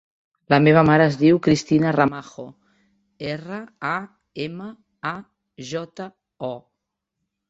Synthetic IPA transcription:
ləmeβ̞əmaɾəːzðiwkɾist̪inəramaxo | erəa | emə | a | ʒɔt̪ə | ɔ

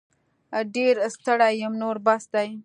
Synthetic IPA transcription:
ɖeɾst̪əɽajəmnoɾbasd̪aj

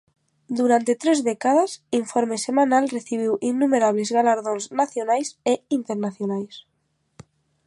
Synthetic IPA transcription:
d̪uɾant̪e̞t̪ɾezðekað̞asiɱfoɾmesemãnalreθiβ̞iwʔinːumeɾaβlezɣalaɾðõnznaθjonajseint̪eɾnaθjonajs

